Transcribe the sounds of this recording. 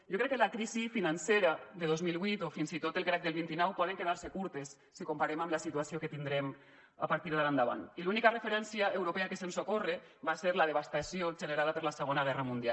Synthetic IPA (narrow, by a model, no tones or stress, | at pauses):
ʒokɾɛkːelakɾizifinanseɾaðeðozmilˠβwit̪ofinzit̪ot̪elˠkɾak̚d̪elˠβint̪inɔwpɔðeŋkeðaɾsekuɾt̪esːikompaɾemamlasit̪uasioket̪ind̪ɾɛm | a̰paɾt̪iɾðeland̪aβa̰nilunikarefeɾɛnsjaewɾopeakesensokore | βaseɾlað̞eβ̞ast̪asioʒeneɾaðapeɾlaseɣ̞onaɣ̞ɛramund̪ia̰